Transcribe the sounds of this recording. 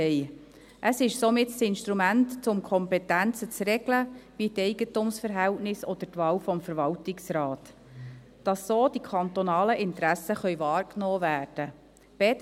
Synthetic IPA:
ɛɪ | ʔəsɪʃsomɪtsɪnʃt̪ɾumæntt͡sʊmkʰɔmpɛtænt͡sət͡srɛɡləpitɛɪɡətumsfəɾɦɛltnɪsɔd̥̪ətʋɑːwfɔmfəɾʋɑltɪksɾɑːt | d̥ɑsːoːd̥ikʰɑnt̪ɔnɑːləʔɪntɾæsəχœɥvɑːrknoːvæːrd̥ə | b̥ɛt

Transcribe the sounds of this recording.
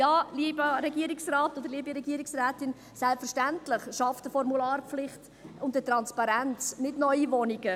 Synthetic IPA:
jɑːliːbəɾɛɡiːɾɪksraːtod̪əɾliːbiɾɛɡiːɾiksræːtɪn | sɛlpfəɾʃtæntlɪχʃɑfd̥əfɔɾmulaːrflɪχt | ʊmdətɾɑnspɑɾænt͡snɪtnɔʏivɔniɡ̥ə

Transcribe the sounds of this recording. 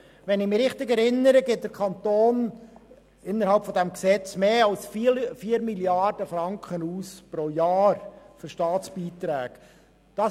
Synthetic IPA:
ʋɛnɪmɪɾɪχtɪɡɛɾɪnːəɾəɡeːt̚d̥əɾkʰɑnt̪oːn | ɪnːəɾhɑlpfɔdæmksɛt͡smeːɑlsffiːəɾmiljɑɾd̥əfɾɑŋkχənuːspɾoːjɑːɾfʏɾʃtɑːt͡sb̥iːt̪ɾæːk | d̥ɑ

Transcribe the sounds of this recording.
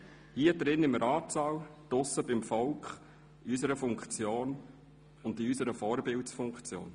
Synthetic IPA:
hiːəd̪ɾɪnːɪmɾɑːtsɑːwd̥ʊsəbɪmfɔlkχ | ysəɾəfʊŋkχt͡sjoːn | ʊndiysəɾəfɔːɾbɪltsfʊŋkt͡sjo̰ːn

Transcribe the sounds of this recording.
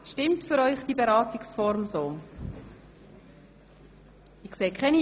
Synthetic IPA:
ʃtɪmtfʏɾœʏχd̥iːbeɾɑːtɪksfɔɾmsoː | ɪkseːkʰχɛni

